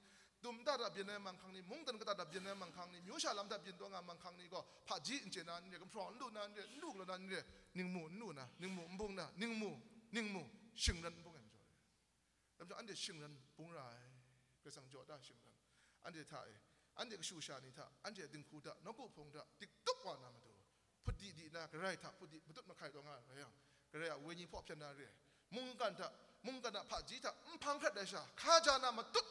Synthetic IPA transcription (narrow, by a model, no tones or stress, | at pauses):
d̥umtadabjinːamaŋkʰaŋnimʊŋt̪ankət̪adabjinamaŋkʰaŋnimjuʃalamdabjint̪wɔŋamaŋkʰaŋnikɔ | pʰad͡ʒin̩t͡ɕenanĩɾɛkəmpʰɾɔn̩lunaniɾɛn̩lukəlɔnaniɾɛniŋmun̩lunaniŋmum̩bʊŋnaniŋmuniŋmuʃiŋɾanm̩bʊŋɛmd͡ʒɔ̰ɾɛ | lamd͡ʒɔʔandɛʃiŋɾanbuŋɾa | ɡ̥əsaŋd͡ʒɔdaʃiŋɾan | ʔa̰ntʰetʰa̰ʔḛ | ʔa̰ntekəʃuʃanitʰa̰ʔantʰediŋkʰutʰa̰ʔnɔkupʰɔŋtʰaʔd̥ik̚tʊk̚wanaməto | pʰʊt̚didiʔnaɡəɾajtʰapʰʊt̚dimətʊt̚məkʰajtɔŋaajaŋ | kəɾajʔaweɲipʰɔpʰjat̚nːaɾɛ | mʊŋkantʰaʔmʊŋkanapʰad͡ʒitʰam̩pʰaŋkʰɾɛt̚lajʃ̬akʰad͡ʒaːnamətʊt̚